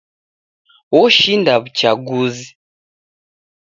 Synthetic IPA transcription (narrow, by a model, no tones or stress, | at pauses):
wɔʃindaβut͡ʃaɡuzi